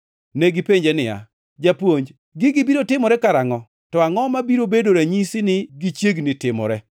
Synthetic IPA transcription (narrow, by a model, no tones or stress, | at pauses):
neɡɪpeɲd͡ʒenɪja̰ | d͡ʒapwoɲd͡ʒ | ɡɪɡɪbiɾotɪmɔɾɛkaɾaŋɔ | tɔaŋɔmabiɾobedoɾaɲisinɪɡit͡ʃjeɡnɪtɪmɔ̰ɾɛ